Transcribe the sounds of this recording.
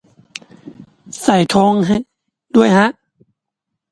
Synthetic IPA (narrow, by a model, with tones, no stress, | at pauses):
sa˨˩jt̪ʰoː˧˥ŋɦa˧˩ | du˥˩əjha˧˦˥ʔ